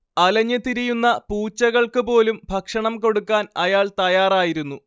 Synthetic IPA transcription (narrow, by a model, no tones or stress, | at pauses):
ɐlɐɲːɐt̪iɾijunːɐpuːt͡ɕːɐɣɐɭkɨpo̞ːlumbʱɐkʂɐɳɐmko̞ɽukːaːnɐjaːɭt̪ɐjaːraːjiɾunːu